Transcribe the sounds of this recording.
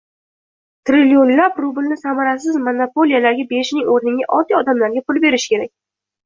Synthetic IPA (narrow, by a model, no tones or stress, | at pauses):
t̪ɾɪlijonlapɾʊbɪlnɪsamaɾas̬ɪzmonopo̞lijalaɾɡʲabe̞ʃnɪŋoɾnɪŋʲaʔɒt̪ːijɒd̪amlaɾɡʲapʰʊlˠbe̞ɾɪʃkʰʲe̞ɾakʲ